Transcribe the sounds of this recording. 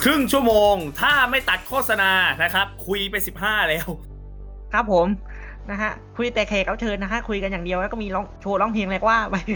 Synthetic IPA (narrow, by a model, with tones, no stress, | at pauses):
kʰɾɯ˥˩ŋt͡ɕʰu˥˩ɐmoː˧ŋt̪ʰaː˥˩ma˥˩jt̪a˨˩t̪̚kʰoː˥˩t̪̚sa˧naː˧na˦˥kʰɾa˦˥p̚kʰu˧jpa˧jsi˨˩p̚ɦaː˥˩lɛː˦˥w | kʰɾa˦˥p̚ʰːo˨˩˦m | na˦˥kʰa˦˥ʔkʰu˧jt̪ɛː˨˩kʰɛː˨˩ka˦˥wt͡ɕʰɤː˧nːa˦˥kʰa˦˥kʰu˧jka˧njaː˨˩ŋdi˧əwlɛː˦˥kɔ˥˩miː˧lɔː˦˥˩ŋt͡ɕʰoː˧lɔ˦˥˩ŋpʰeː˧ŋlɛ˧˩k̚waː˥˩wa˦˧˩j